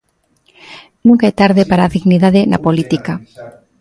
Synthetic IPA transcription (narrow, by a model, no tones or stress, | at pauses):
nũŋkaet̪aɾðepaɾaðiɣniðaðena̰polit̪ika